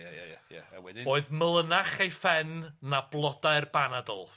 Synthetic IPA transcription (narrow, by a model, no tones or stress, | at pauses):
ɛoːɨðməlˠənaχejfɛnːablˠɔdaɨrbanadɔ̰lˠ